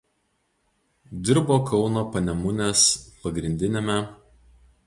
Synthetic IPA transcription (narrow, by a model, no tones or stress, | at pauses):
d̪ʲɪɾboːkʰɒʊnoːpɐnʲɛmʊnʲespɐɡɾʲɪnʲd̪ʲɪnʲemʲɛ